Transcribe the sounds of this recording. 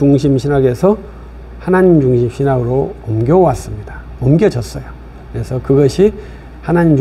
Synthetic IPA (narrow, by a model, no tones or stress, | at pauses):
uŋɕʰimɕʰinaɡe̞sʰʌ | hanaɲimd͡ʑuŋɕʰimɕʰinaɡɯɾoʌmɡjʌwas͈ɯmɲida | ʌmɡʲjʌd͡ʑʌs͈ʌjo | kɯɾe̞sʰʌkɯɡʌɕʰi | hanaɲim